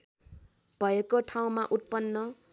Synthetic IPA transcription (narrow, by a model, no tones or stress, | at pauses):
b̥ʱʌjekoʈʰaw̃maʔut̪̚pʌnːʌ